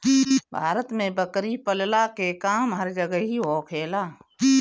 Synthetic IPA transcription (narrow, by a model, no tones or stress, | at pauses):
bʱaːɾət̪mẽbəkɾipəllakekaːmɦəɾd͡ʒəɡəɦiɦoːkʰeːlaː